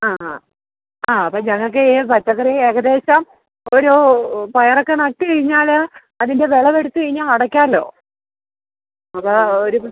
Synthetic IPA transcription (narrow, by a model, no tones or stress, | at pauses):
aː | aːɐpːoːɲɐŋːɐok̬ːebɐt͡ɕːɐkːɐrieːɣɐd̪e̞ːɕɐm | oɾupɐjɐrokːenɐk̚ʈːɨkɐɻiɲːaːl | ɐðindeʋe̞ɭɐʋeɽut̪ːɨkɐɻiɲːaːlɐɽɐkʲːaːlːo̞̰ː | ɐpooɾu